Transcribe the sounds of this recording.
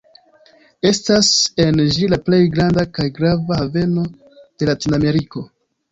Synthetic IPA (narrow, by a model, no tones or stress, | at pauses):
e̞stase̞nd͡ʒilaple̞jɡɾandakajɡɾavahave̞no̞ | d̥e̞latiname̞ɾiko̞